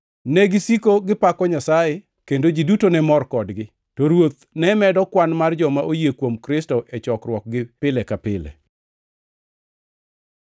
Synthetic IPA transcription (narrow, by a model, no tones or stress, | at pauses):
nɛɡɪsikoɡɪpakɔɲasaje | kendod͡ʒidutonɛmɔrkɔdɡɪ | toɾwot̪̚ | nɛmɛdɔkwanmard͡ʒɔmaʔojekwomkɾɪstoʔɛt͡ʃɔkrwɔk̚ɡɪpɪlɛkapɪlɛ̰